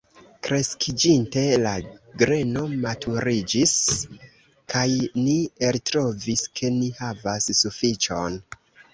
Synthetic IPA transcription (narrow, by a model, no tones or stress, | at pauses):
kɾe̞skʰid͡ʒinte̞laɡɾe̞no̞matʰuɾid͡ʒis | kʰajnieltɾo̞viskʰe̞nihavasːufit͡ʃo̞n